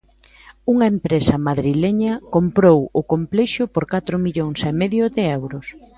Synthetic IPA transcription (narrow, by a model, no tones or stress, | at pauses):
uŋɐempɾesɐmaðɾileɲɐkompɾowʊkomplɛʃʊpoɾkat̪ɾʊmiʎoŋsɛmeðjʊðɪɛwɾʊs